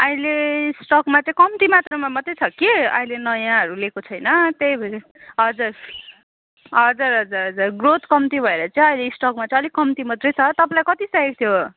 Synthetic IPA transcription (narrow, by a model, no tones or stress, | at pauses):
ʌĩlesʈʌkmat͡sʌĩkʌmt̪imat̪rʌmamʌt̪rʌjt͡sʰʌkeʌ̰ĩlenʌjãɦʌɾulekot͡sʰʌjnʌt̪ejbʱʌ | ɦʌd͡zur | ɦʌd͡zuɾɦʌd͡zuɾɦʌd͡zurɡrot̪kʌmt̪ibʱʌeɾʌt͡saĩʌj̃leisʈʌkmat͡sʌ̃ĩʌlikʌmt̪imʌt̪rʌjt͡sʰʌt̪ʌpãlajkʌt̪isaek̚t̪ʰjo